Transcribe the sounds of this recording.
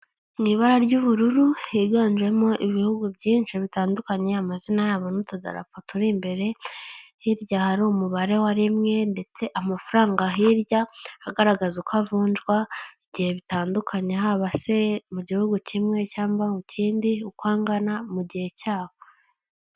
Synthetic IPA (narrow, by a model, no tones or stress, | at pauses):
niːβaɾaɾɟuβuɾuɾuhiɡaːnd͡ʒe̞mo̞ʔiβihuɡubɟiːnʃiβitaːndukaɲe̞amazinajaːβonutoza̰ɾa̰fatuɾimbe̞ɾe̞hiɾjahaɾiumuβaɾe̞waɾimŋe̞nde̞t͡se̞ʔamafuɾaːŋɡaɦiɾjahaɡaɾaɡazukavuːnd͡ʒɡwaiɟihe̞βitaːndukʰaɲe̞ɦaβase̞muɟihuɡucimŋe̞caːmbaucʰiːndiukwaːŋɡanamuɟihe̞cʰaːβo